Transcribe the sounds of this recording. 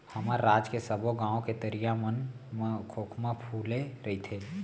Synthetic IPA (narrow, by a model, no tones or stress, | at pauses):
hɐmaːɾːaːd͡ʒkesəboɡãːõket̪əɾijamən | kʰoːkʰmãpʰuːleɾɐit̪ʰeː